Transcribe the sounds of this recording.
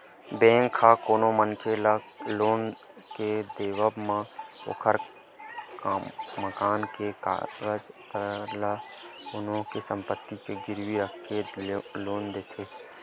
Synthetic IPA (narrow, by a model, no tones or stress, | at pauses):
bẽːŋkʰːaːkoːnõmənkʰela | loːn | ked̪eːʋəbmão̰kʰəɾ | məkaːnkekːɡəd͡ʒt̪əɾlaʊnõkesə̃mpət̪ːikeɡɪɾʋiɾəkeloːnd̪eːt̪ʰeː